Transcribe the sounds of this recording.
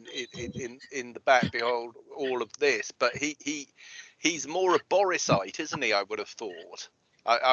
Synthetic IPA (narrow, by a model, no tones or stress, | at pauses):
ɪɪ̃ɪ̃nɪ̃nðəbak̚b̥ɪhoʊlˠdɔːlˠəvðɪsb̥ʌʔhihihizmɔːɹəbɒɹɪsaɪtʰɪzn̩tiaɪwʊɾəv̥θɔˑt | ʔaɪʔaɪ